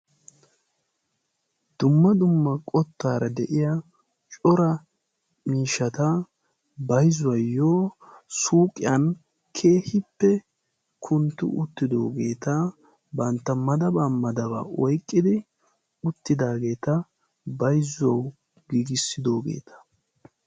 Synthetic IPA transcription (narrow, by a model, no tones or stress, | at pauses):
d̪̥ʊmːɐd̪ʊmːɐkʼɔt̪ːaːɾɐd̪ɛʔɪjɐ | t͡ʃʼɔɾɐ | miːʃːɐt̪ɐ | bɐjzʊwɐjːoːsuːkʼɪjɐn | kʰe̞ːhɪpːɛ | kʰʊnt̪ːʊ̰ʊt̪ːɪd̪o̞̰ːɡe̞ːt̪a | bɐnt̪ːɐmɐd̪ɐbaːmɐd̪ɐba̰ːʔɔjkʼːɪd̪ɪ | ʊt̪ːɪd̪aːɡe̞ːt̪ɐ | bɐjzʊɐw | ɡiːɡɪsːɪd̪o̞ːɡe̞̰ːt̪ʰɐ̥